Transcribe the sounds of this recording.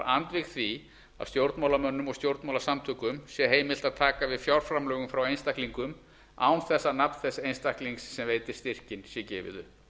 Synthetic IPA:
ɾant̪vɪxθvi | a̰ðst̪jowɾt̪mawlamœnːʏmɔɣst̪jowɾt̪nmawlasamt̪ʰʏkʏmsjɛɦeːjmɪl̥t̪aðt̪ʰaːkavɪðfjawɾ̥fɾamlœːɣʏmfɾawejnst̪ahkliŋkʏm | a̰ːwnθɛsːanapnθɛsejnst̪ahkliŋksːɛmveːjt̪ɪɾ̥st̪ɪr̥cɪnsjɛcɛːvɪ̰ðʏ

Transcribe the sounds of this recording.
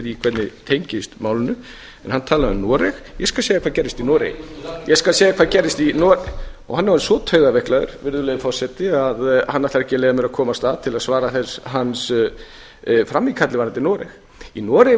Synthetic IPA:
ɾikʰvɛt̪nɪt̪ʰejɲcɪst̪maːwlɪnʏ | ɛnhanːt̪ʰaːlaðʏmnɔːɾɛxjɛskalseːjakvaːðcɛɾɪst̪inɔːɾḛj̰jɛskalseːjakʰvaːðcɛɾːɪst̪inɔɾɔ̰ɣhanːɛvansɔːt̪ʰœɥðavɛhklaðʏ̰ɾ̥vɪɾðʏlejɪfɔr̥sɛt̪ɪaðhanːat̪aɾɛhcɪleːjðamɪɾakʰɔːmast̪aːðt̪ʰɪlaðsvaːɾaθɛsɦans | fɾamːikʰat̪lɪvanɛt̪ːɪnɔːɾɛx | inɔːɾɪ

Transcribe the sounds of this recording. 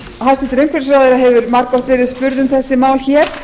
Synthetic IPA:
ɦast̪ɪt̪ɾemŋkfɛlsɾaːwðɪɾaɦɛvʏɾmaɾkɔht̪vɛːɾɪðspʏɾðʏmθɛsːɪmaːwlçɛːɾ̥

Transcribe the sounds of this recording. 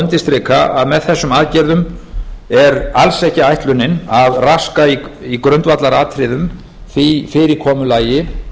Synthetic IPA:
nt̪ɪst̪ɾɪːkʰaaðmɛðθɛsːʏmaːðcɛɾðʏm | ɛɾalsɛhcɪajht̪lʏnːɪnaðraskaiikɾœnt̪vat̪laɾaːt̪ʰɾɪðʏm | θifɪɾɪɾkʰɔːmʏlaːjɪ

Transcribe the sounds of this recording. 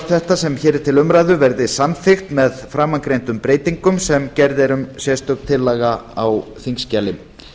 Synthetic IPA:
θɛht̪asɛmçɛːɾɪɾ̥t̪ʰɪlʏmɾajðʏvɛɾðɪsanfɪxt̪mɛðfɾamːaŋkɾejnt̪ʏmpɾeːjt̪iŋkʏmsɛmcɛɾðɛɾʏmsjɛst̪œk̪t̪ʰɪlːaːɣaawθiŋscaːlɪm

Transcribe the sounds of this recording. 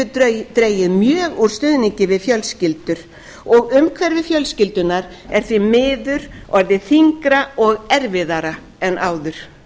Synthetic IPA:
t̪ɾeːjɪðmjœːɣuɾ̥st̪ʏːðniɲcɪvɪðfjœlscɪlt̪ʏɾ̥ | ɔɣʏmkʰvɛɾvɪfjœlscɪlt̪ʏnaɾ | ɛɾ̥θvimɪːðʏɾ̥ɔɾðɪθiŋkɾaɔɣɛɾvɪðaɾa | ɛnːʔaːwðʏɾ̥

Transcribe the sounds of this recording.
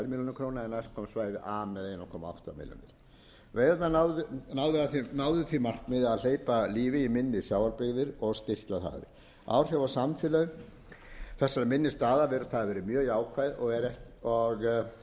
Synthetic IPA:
ɾmiljɔnɪkʰɾownaɛnajskʰɔːmsvaːjðɪʔaːmɛðejnakʰɔːmaa̰wht̪a̰mɪ̰ljɔ̰nɪɾ | vejðat̪nanawðʏnawðɪaθinaːwðʏθimar̥kmɪðaðl̥eːjpaliːvɪimɪnːɪsjaːwvalpɪɣðɪɾɔɣst̪ɪht̪laθa̰ðɪ̰ɾ | a̰wr̥jawvasamfɪlœɣʏ | θɛsːaɾɪmɪnːɪst̪aːðavɛːɾʏ̥θaðvɛːɾɪmjœːɣaːwkʰvajðɔɣɛɾɛht̪ɔɣ

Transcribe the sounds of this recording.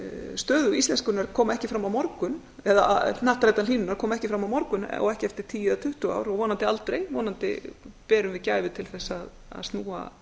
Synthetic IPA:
st̪œːðʏist̪lɛnskʏnaɾkʰɔːmaɛhcɪfɾamːawmɔɾkʏn | ɛða̰naht̪ɾajt̪aniːnʏnaɾ̥kʰɔːmaɛhcɪfɾamːawmɔɾkʏnɔ̰ɣɛhcɪɛft̪ɪɾ̥t̪ʰiːjɪat̪ʰʏht̪ʏa̰wɾɔɣvɔːnant̪ɪalt̪ɾejvɔːnant̪ɪ̰pɛːɾʏmvɪðcaːjvɪt̪ʰɪlθɛsːað | a̰ðst̪nuːa̰

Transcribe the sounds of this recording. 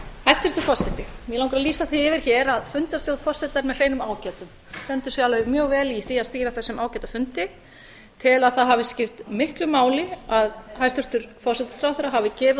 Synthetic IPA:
hajst̪ʏɾ̥t̪ʏɾ̥fɔrsːɛt̪ɪmjɛlawŋkɾaðliːsaθiɪvɪɾ̥çɛɾaðfʏnt̪ast̪jowðfɔr̥sɛt̪aɾmɛðl̥eːjnʏmaːwcɛːt̪ʏm | st̪ɛnt̪ʏɾ̥sjaːlœmjœːɣvɛːliθiaðst̪iːɾaθɛsːɪmʔaːwcɛːt̪afʏnt̪ɪ | t̪ʰɪlaðθaðɦaːvɪscɪft̪mɪhklʏmaːwlɪaðɦajst̪ʏr̥t̪ʏɾ̥fɔrsɛt̪ɪ̥fɾawθɛɾaɦaːvɪcɪːv

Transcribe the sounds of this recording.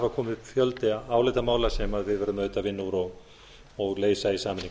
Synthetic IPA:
vakʰɔːmɪðfjœlt̪ɪaːwlejt̪amaːwlasɛmaðvɪðvɛɾðʏmœːɥt̪avɪnːuɾɔɣ | ɔɣleːjsaisaːmɪnːi

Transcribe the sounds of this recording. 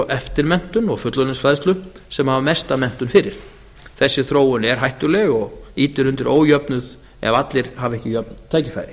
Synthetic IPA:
ʔɛft̪ɪɾmɛn̥t̪ʏnɔɣfʏt̪lʏnɪnsfɾaðst̪lʏm | sɛmhavamɛst̪amɛn̥t̪ʏnfɪɾɪɾ̥ | θɛsːɪθɾoːwʏnɛɾ̥ɦajht̪ʏɾlɛɣɔɣiːt̪ɪɾʏnt̪ɪɾʔo̰ːwjœpnʏð | ɛ̰vat̪lɪɾ̥havɛhcɪjœp̚nt̪ʰaːjcɪ̥θa̰jɾɪ

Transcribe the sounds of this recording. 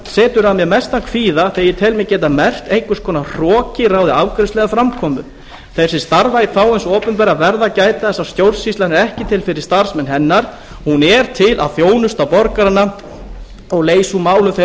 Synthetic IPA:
sɛːt̪ʏɾamjɛmɛst̪akʰfiːðaθejɪt̪ʰɛlmɛcɛːt̪̬amɛr̥t̪ejŋkʏskʰɔːnar̥ɔːcɪraːwðɪaːwkɾʏnstlɛɣafɾamkʰɔːmʏ̰ | θɛsɪst̪aɾvajfaːwɪnsɔːpʏnpɛɾavɛɾðacaːjt̪aθɛsːast̪jowɾsist̪lanɪɾɛhcɪt̪ʰɪlfɪɾɪ̥st̪aɾ̥smɛnːɦɛnːaɾ̥ | hunɛɾ̥t̪ʰɪlʔa̰ðθjoːwnʏst̪awpɔɾkaɾanːa | ɔɣleːjsumaːwlʏθe

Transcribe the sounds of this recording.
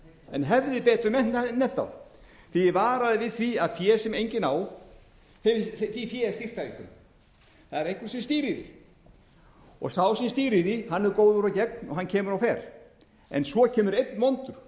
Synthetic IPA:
ɛnɦɛvðɪpɛːt̪ɾʏmɛn̥t̪nːɛn̥t̪a̰w | θivaːɾaðɪvɪðθviaðfjɛːsɛmejɲcɪnaːw | θθifjɛːst̪ir̥t̪avikʏm | θaðɛɾehkvʏɾ̥sɛmst̪iːɾɪðɪ̰ | ɔ̰ɣsawsɛmst̪iːɾɪðɪhanːɛɾkoːwðʏɾawcɛk̚nɔ̰ɦancʰɛːmʏɾawfɛːɾ̥ | ɛ̰nsvɔcʰɛːmʏɾejt̪nmɔnt̪ʏɾ̥

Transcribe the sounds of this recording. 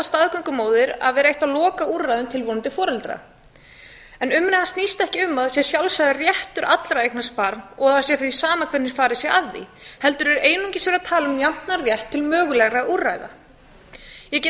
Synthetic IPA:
ast̪aðkʏŋkʏmoːwðɪɾa̰ðvɛːɾaejht̪alɔːkaurːajðʏmt̪ʰɪlvont̪ɪfɔːɾɛlt̪ɾa̰ | ɛnʏmːnɪhanst̪nist̪ɛhcɪʏmːaðsjɛsjawlsajðɪrjɛht̪ʏɾʔat̪lɾaejk̚naspaɾnɔɣðḁsjɛθvisaːmakʰvɛt̪nɪɾ̥faːɾɪsjɛaðːḭhɛlt̪ʏɾɛɾʔeːjnuɲcɪsvɛɾat̪ʰaːlaʏmjam̥t̪narjɛht̪ʰːɪlmœːɣʏlɛɣraʔurajða̰ | jɛcɛ

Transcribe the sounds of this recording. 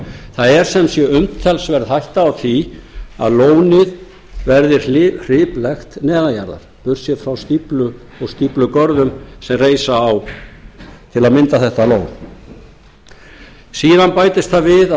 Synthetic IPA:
θaðɛɾ̥sɛmsjɛʏmt̪θɛlsvɛɾðhajht̪aːwθia̰ðloːwnɪð | vɛɾðɪɾ̥r̥ɪːplɛxt̪nɛːðajaɾða̰ɾ̥pʏr̥sjɛɾfɾawst̪iplʏ | ɔɣst̪iplʏkœɾðʏmsɛmreːjsaːw | t̪ʰɪlaðmɪnt̪aθɛht̪aloːwn | siːðanpaːjt̪ɪst̪θavɪð

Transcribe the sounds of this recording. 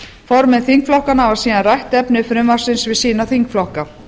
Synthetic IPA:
fɔɾmɛðθiŋkflɔwhkanavasiːðanrajht̪ɛpnɪfɾʏmvḁsɪnsvɪðsiːnaθiŋkflɔhka

